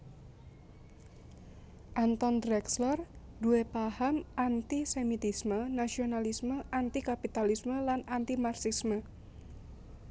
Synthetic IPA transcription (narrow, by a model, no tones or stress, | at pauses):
ʔant̪ɔnd̪ɾɛkslɔr | duepahamant̪isemit̪ismənasionalisməʔant̪ikapit̪alisməlanant̪imarsismə